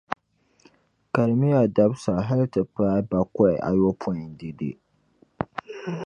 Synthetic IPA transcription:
ka˨ɾmi˦ja˨da˦bsa˨ɦɛ˦ltɨ˨pa˦jba˨kɔ˦ɪ̰˨ʔa̰˨jo˦pʰɔ˦i˨n˦di˨dḭ˨

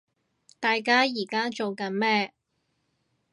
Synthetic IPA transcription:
t̪aː˨˧jkaː˥jiː˨˩kaː˥t͡so˨wkɐ˨˥nmɛː˥

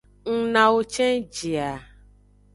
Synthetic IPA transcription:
ŋ̩˨nã˨o˦t͡ʃɛ̃˦n˦d͡ʒi˨a˨

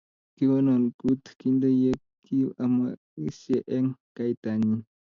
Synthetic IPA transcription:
ki˦wɔ˦nɔ˨nku˦t̪ki˦ndo˦je˦ki˦a˨ma˨ | i˦se˨ʔɛ˦ŋka˦i˦t̪a˨ni˦

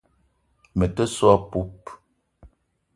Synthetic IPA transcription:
mə˨tə˦swɔ˦pu˦p

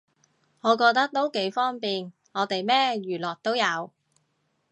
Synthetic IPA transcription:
ŋɔː˨˧kɔː˧k̚t̪ɐ˥k̚t̪o˥wke˨˥jfɔː˥ŋpiː˨n | ŋɔː˨˧t̪e˨jmɛː˥jyː˨lɔː˨˩k̚t̪o˥wjɐ˨˧w

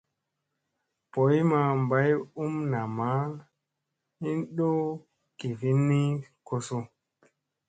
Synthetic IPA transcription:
po˨˦jma˨m˨ba˦ju˦mna˨ma˨˦ | i˦nɗo˦ | ke˨vi˦nːi˦ko˦so˦

